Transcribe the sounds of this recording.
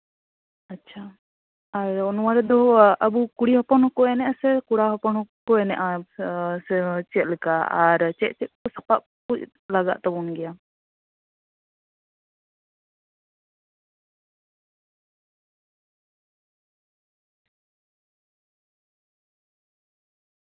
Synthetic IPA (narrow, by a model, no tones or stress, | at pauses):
atːt͡ʃʰa | aɾɔnwaɾɛd̪ɔʔabukuɽihɔpɔnɔkɔɛnɛʔasɛkuɽaɦɔpɔnɔkɔɛnɛʔa | sɛt͡ʃɛt̪̚lɛkaaɾt͡ʃɛʔ̪̚t͡ʃɛt̪̚kɔsapaʔ | puc̚ | laɡa̰ʔt̪abɔnɡɛja